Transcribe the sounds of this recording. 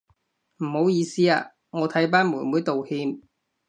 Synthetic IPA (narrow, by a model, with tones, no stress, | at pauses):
m̩˨˩ho˨˧˥wjiː˨˧siː˥a̰ː˧ | ŋɔː˨˧t̪ʰɐ˨˥jp̬aː˥nmuː˨˩nmuː˨˥jt̪o˨whiː˧m